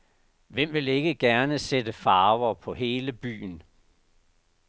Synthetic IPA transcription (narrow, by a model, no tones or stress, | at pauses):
ʋem̰ʋe̝le̝ɡ̥əɡ̥æɐnəsedəfɑ̈ːʊɐpʰɒ̽ɦe̝ːləb̥y̰ːn